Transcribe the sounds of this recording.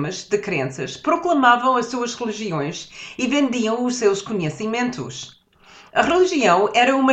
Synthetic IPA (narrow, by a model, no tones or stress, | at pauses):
mɐʒd̪ɨkɾḛ̃sɐʃpɾuklˠɐmavɐ̃w̃ɐʃsuɐʒʁɨlˠiʒiõj̃ʃivẽnd̪iɐ̃w̃uʃsewʃkuɲɨsimẽnt̪ṵʃ | ɐʁɨlˠiʒiɐ̃w̃ʔɛɾɐumɐ